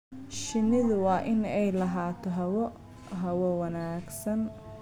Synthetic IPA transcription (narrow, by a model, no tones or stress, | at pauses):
ʃɪnɪðʊwɑːʔɪnɛjlɐɦaːt̪ʰɔɦɐwɔ | ɦɐwɔwɐnaːɡsɐn